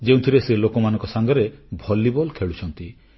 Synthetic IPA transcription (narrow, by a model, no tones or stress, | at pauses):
d͡ʒeũt̪ʰiɾeselokɔmanɔŋkɔsaŋɡɔɾebʱɔlːibɔlkʰeɭut͡ʃʰɔnt̪i